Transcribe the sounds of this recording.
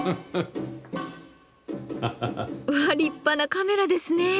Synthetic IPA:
ɐɖipːɐnɐkameɾad̪esne

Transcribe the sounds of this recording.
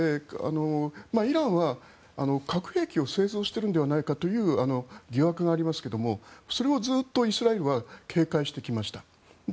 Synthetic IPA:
ea̰no̞maiɾãɰ̃βa | ano̞kʰakɯ̟̥he̞ːkʲio̞se̞ːzo̞ːɕi̥t̪e̞ɾɯ̟nd̪e̞βanaikat̪o̞jɯ̟ːano̞ɡʲiβakɯ̟ɡaːɾʲimasɨ̥ke̞d̪o̞mo̞so̞ɾe̞o̞zɨːt̪ːo̞isɨɾae̞ɾɯ̟βakʰe̞ːkaiɕi̥t̪e̞kʲimaɕi̥t̪a

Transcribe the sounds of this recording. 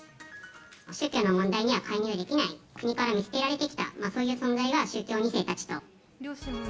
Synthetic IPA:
ɕɨːkʲo̞ːno̞mõnd̪aiɲ̟iβakʰaiɲ̟iad̪e̞kʲinaikɯ̟ɲ̟ikaɾamʲit͡sɨ̥ke̞ɾaɾe̞t̪e̞kʲi̥t̪a̰maːso̞ːjɯ̟ːsõ̞nzaiβaɕɨːkʲo̞ːɲ̟ise̞ːt̪at͡ɕi̥t̪o̞

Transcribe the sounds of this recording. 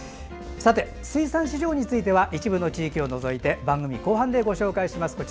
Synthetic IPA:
sat̪e̞ | sɨisãɰ̃ɕiʑo̞ːɲ̟it͡sɨit̪e̞βaʔit͡ɕibɯ̟not͡ɕiːkʲio̞no̞zo̞it̪e̞bãŋɡɯ̟mʲḭko̞ːɦãnd̪e̞ɡo̞ɕo̞ːkaiɕimasɨ̥ko̞t͡ɕ

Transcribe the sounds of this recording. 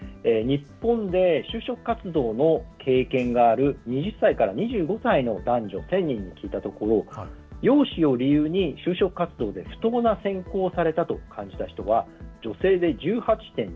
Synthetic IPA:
eːɲ̟ipːõ̞nd̪e̞ɕɨːɕo̞kɯ̟̥kːat͡sɨd̪o̞ːno̞kʰe̞ːkẽ̞ŋɡaːɾɯ̟ɲ̟iʑɨsːaikaɾaɲ̟iʑɨːɡo̞saino̞d̪ãɲ̟d͡ʑo̞̰sẽ̞ɲ̟ʲːĩɲ̟ːikʲiːt̪at̪o̞ko̞ɾo̞ | jo̞ːɕio̞ɾʲijɯ̟ːɲ̟iɕɨːɕo̞kɯ̟kat͡sɨd̪o̞ːd̪e̞ɸɯ̥t̪o̞ːnasẽ̞ŋko̞ːsaɾe̞t̪at̪o̞kʰãɲ̟d͡ʑi̥t̪açi̥t̪o̞β̞ad͡ʑo̞se̞ːd̪e̞d͡ʑɨːhat͡ɕi̥t̪ẽ̞ɲ

